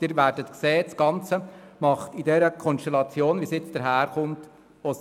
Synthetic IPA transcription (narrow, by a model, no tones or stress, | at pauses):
d̥iːɾvæːɾdətkseːtsɡ̥ɑnt͡səmɑχtidɛɾəkʰɔnʃtɛlɑt͡sjoːnʋisjɪt͡sd̥əɾɦæːɾχʊnt | os